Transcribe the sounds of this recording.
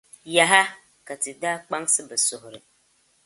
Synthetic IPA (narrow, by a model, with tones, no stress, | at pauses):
ja˨ɦa˦ | ka˨tɨ˨daː˦k͡pa˦ŋsɨ˦bɨ˨sʊ˨hʊ˨ɾɨ˨